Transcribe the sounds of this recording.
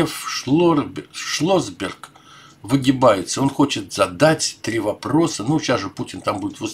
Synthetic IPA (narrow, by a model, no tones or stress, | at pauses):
fl | ʂlˠozbʲɪrk | vɨɡʲɪbajɪt̪səo̞nxo̞t͡ɕɪt̪z̥ɐd̪atʲt̪ɾʲivɐpɾo̞sənuɕasʐɨputʲɪnt̪ambudʲɪt̪vos